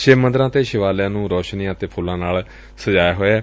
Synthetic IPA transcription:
ʃemə̃nd̪ɾãːt̪eːʃɪʋaːljãːnũːɾɔːʃnijãːt̪eːpʰʊlãːnaːl | səd͡ʒaːjaːɦoːeɛː

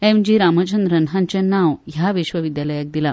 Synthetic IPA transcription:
emd͡ʑiɾamət͡ɕənd̪ɾənɦãɲt͡ɕanãʋɦjaʋiɕʋəʋid̪jaləjak̚d̪ila

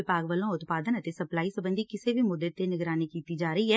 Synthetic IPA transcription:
ɪpaːɡʋəlõʊt̪paːd̪ənɐt̪esɐplaːisɐ̃bə̃nd̪ʱikɪsebʱimʊd̪et̪ːenɪɡɾaːnikiːt̪id͡ʒaːɾəɦiɦɛː

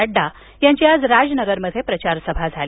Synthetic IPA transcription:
əɖːa | jaɲt͡ɕiːad͡zɾad͡znəɡəɾməd̪ʱːjepɾət͡ɕaɾsəbʱad͡zʱal

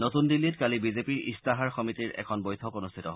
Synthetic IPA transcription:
notundilːitkalibizepiɹḭstaɦaɹxɔmitiɹɛ̰kʰɔnbɔjtʰɔkonust̪ʰitɔɦ

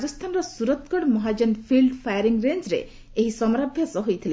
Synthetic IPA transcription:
d͡ʒɔst̪ʰanɾɔsuɾɔt̪kɔɽmɔɦad͡ʒɔnpʰilɖpʰajɔɾiŋɾend͡ʒɾḛ | eɦisɔmɾabʱjasɔɦojt̪ʰile

